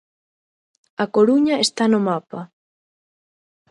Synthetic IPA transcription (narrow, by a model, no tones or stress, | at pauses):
ɐkoɾuɲɐest̪anʊmapɐ